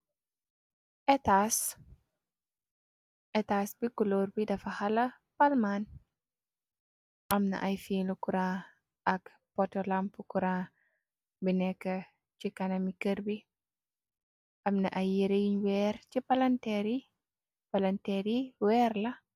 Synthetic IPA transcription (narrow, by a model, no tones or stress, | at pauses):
ʔɛtas | ʔɛtasbikuloːɾbidɐfɐhɐlɐ | pɐlmaːn | ʔɐmnɐ̰ʔɐjfiːlukuɾãː | ʔɐk | pɔtɔlampukuɾãː | binɛkːɐ | cikɐnɐmikəɾbi | ʔɐmnɐʔɐjiɾejiɲwɛːɾcipɐlɐntɛɾi | pɐlɐntɛɾiwɛːrlɐ